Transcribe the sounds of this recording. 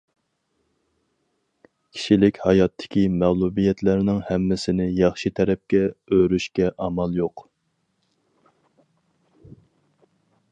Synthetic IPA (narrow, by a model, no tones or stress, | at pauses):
kʲʰi̥ʃilɪkʲhɑjɑt̪ʰːɪ̥kʲʰimæʁlˠubijɛt̪læɾnɪŋhɛmːɪsɪnɪjɑχʃit̪ʰɛɾɛp̚kʲɛøɾyʃkʲɛʔɑmɑlˠjoq